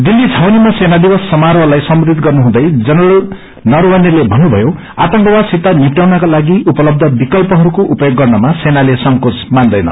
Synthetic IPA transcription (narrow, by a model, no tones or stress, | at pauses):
d̪ilːit͡sʰawnimasenad̪ibʌsːʌmaɾʌlajsʌmɾd̪it̪̚ɡʌrnuɦũd̪ʌjd͡zʌnʌlu | nʌɾwʌnelebʱʌnːubʱʌjo | at̪ʌŋkʌwasit̪anipʈawnakalaɡiupʌlʌb̚d̪ʱʌbikʌlpʌɦʌɾukoʔupʌjoɡːʌrnʌmasenalesʌŋkot͡smand̪ʌjnʌ̰